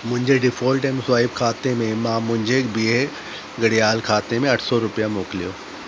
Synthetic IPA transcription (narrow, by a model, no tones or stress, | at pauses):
mʊ̃ɦɪ̃ɲd͡ʑeɖɪfoːlʈɛmsaːɦɪbkʰaːt̪emẽmãːmʊ̃ɦɪ̃ɲd͡ʑebie | ɡɐɽijaːlkʰaːt̪emẽɐʈʰsɔɾʊpijamoːkɪlijoː